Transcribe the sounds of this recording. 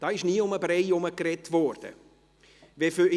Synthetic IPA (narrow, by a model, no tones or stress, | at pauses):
d̥ɑːɪʃniːʊməbɾɛɪʊməkrɛtvɔːɾd̥ə̰ | vefy